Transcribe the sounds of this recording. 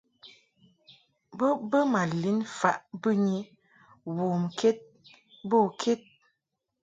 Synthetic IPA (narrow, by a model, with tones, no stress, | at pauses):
bə˦bə˦ma˨li˨˦nfa˨ʔbə˦ɲi˦ | wo˨mke˦t̚ | bo˦˨kʰe˦t̚